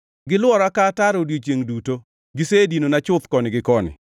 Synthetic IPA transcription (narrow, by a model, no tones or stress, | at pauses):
ɡɪlʊwɔɾakataɾodjot͡ʃeŋduto | ɡɪsedinonat͡ʃʊt̪kɔnɪɡɪkɔnɪ̰